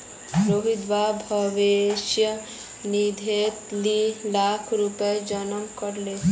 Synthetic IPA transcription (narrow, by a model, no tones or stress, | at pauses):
pɾoʋid̪ʋabʱɔʋeʃjə | nid̪ʱet̪lilakʰɾupəd͡ʒɔnəmkɔɾle